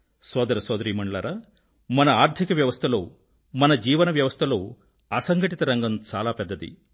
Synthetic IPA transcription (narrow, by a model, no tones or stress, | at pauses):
sɔːd̪ɐɾɐsɔːd̪ɐɾiːmɐɳɖlaːɾaː | mɐnɐaːɾt̪ʰikɐʋjɐʋɐst̪ʰɐloː | mɐnɐd͡ʒiːʋɐnɐʋjɐʋɐst̪ʰɐlo̞ː | ɐsɐŋɡʱɐʈit̪ɐɾɐŋɡɐmt͡ʃaːlaːpɛd̪ːɐd̪ḭ